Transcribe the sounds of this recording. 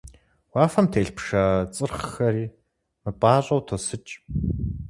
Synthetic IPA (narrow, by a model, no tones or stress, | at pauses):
waːfɐmtʰeːɮpʃaːt͡sʼɨrχxɐɾiː | mɨpʼaːɕʼɐwtʰosɨt͡ʃʼ